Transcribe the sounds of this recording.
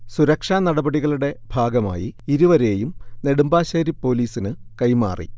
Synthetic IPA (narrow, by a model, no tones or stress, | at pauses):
suɾɐkʂaːnɐɽɐbɐɽiɣɐɭuɽe̞b̥ʱaːɡɐma̰ːjiiɾuʋɐɾe̞ːjumne̞ɽumbaːɕɐɾipːo̞ːliːsinɨkɐjma̰ːrʔḭ